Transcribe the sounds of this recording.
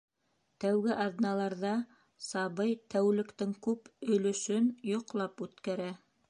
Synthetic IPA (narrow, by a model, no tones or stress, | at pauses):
t̪æwɡɘʔɑðnɑlˠɑɾðɑ | sɑβɤjt̪æwlɘ̆kt̪ɘŋkʉpɵ̆lɵ̆ʃɵnjŏqlˠɑpʉt̪kæɾæ